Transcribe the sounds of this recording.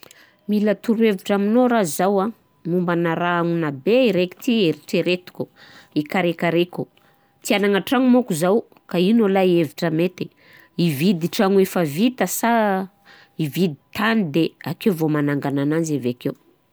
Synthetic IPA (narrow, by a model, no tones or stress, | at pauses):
milat̪uɾueviʈ͡ʂaminoɾazawa | mumbanaɾaaŋunabeiɾeki̥t̪ieɾiʈ͡ʂeɾet̪u̥kʲuikaɾekaɾekʲu | t̪ianaŋaʈ͡ʂaŋumokuzaw | kainolaieviʈ͡ʂəmet̪e̥ | ivid̪iʈ͡ʂaŋuefəvit̪asa | ivid̪it̪anid̪eakewvomanaŋɡanananzaveakew